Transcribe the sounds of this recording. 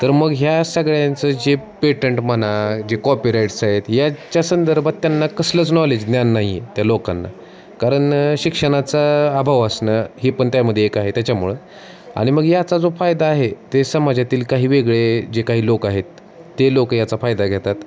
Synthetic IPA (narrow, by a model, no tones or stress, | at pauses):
t̪əɾməɡɦjasəɡɭjant͡səd͡ʑepeʈəɳʈmənad͡ʑekɔpiɾajʈsaɦet̪jat͡ɕjasənd̪əɾbʱat̪ːjanːakəsləːt͡snɔled͡ʑd̪njanːaɦiet̪jalokanːa̰ | kaɾəɳɕikʂəɽ̃at͡saːbʱaʋəsnəɦipəɳt̪jaməd̪ʱjeːkaɦet̪jat͡ɕamuɭə | a̰ɽ̃iməɡjat͡sad͡zofajd̪aːɦet̪esəmad͡ʑat̪iːlkaɦiːʋeɡɭed͡ʑekaɦiːlokaɦet̪ː | elokəjat͡safajd̪aɡʱet̪at̪